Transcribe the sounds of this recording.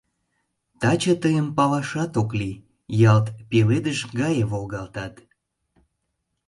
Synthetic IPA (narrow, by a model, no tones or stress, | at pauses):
t̪ɑt͡ɕət̪əjəmpɑβɑʃɑt̪okli | jɑlt̪peled̪əʃɡɑjəβolɣɑlt̪ɑt̪